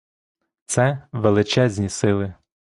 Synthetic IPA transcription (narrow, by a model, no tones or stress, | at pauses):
t̪sɛʋelˠɪt͡ʃɛzʲnʲisɪlˠɪ